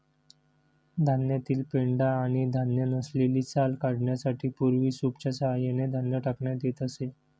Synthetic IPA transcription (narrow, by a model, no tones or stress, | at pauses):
d̪ʱanjat̪iːlpeɳɖaːɽ̃id̪ʱanjənəsleliːt͡salkaɽɳjasaʈʰiːpuɾʋiːsupt͡ɕasəɦajened̪ʱanjəʈəkɳjad̪et̪əse